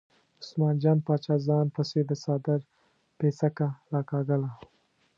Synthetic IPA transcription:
ʊsmɑːnd͡ʒɑːnpɑːt͡ʃɑːzɑnpəsed̪əsɑːd̪ɪɾ | pesakaɾɑkɑɡəla

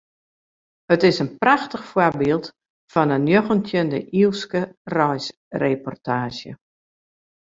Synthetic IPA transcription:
hətɪsənpraxtəxfwarbiːlˠt | fɔnənjoɣəntʰjəndə̰ʔiəlˠskərɔjs | repɔ̰rtʰaːʒjə̰

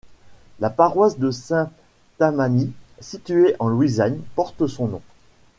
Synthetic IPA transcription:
lapaʁwasd̪əsɛ̃ | t̪amanisit̪ɥeʔɑ̃lwizaɲpɔʁt̪sɔ̃nɔ̃

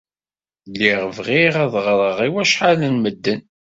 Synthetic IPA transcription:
lːiʁvʁiʁæðʁɾˤəʁiwæʃħalənməd̪ːən

